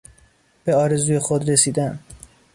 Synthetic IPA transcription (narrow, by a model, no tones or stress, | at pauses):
b̥e̞ɒːɾe̞zuːje̞xod̪ɾe̞siːd̪æn